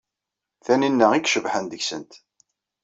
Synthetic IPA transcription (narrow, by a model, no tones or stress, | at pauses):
θæninːəʁiɡʃəvħənd̪əçsə̰nt̪